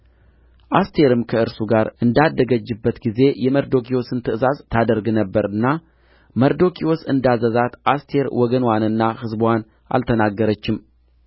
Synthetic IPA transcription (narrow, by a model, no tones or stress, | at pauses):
ʔast̪ʰe̞ɾɨmkʰəɨɾsuɡaɾɨnd̪ad̪ːəɡəd͡ʒːɨbːət̪ɡize̞jɛməɾd̪o̞kʰiwo̞sɨnt̪ʰɨʔɨzazt̪ʰad̪əɾɡnəbːəɾɨnːa | məɾd̪o̞kʰiosɨ̰nd̪azəzat̪ʔast̪ʰe̞ɾwɔɡənwanɨnːahɨzbwan | ʔa̰lt̪ʰənaɡːəɾət͡ʃːɪm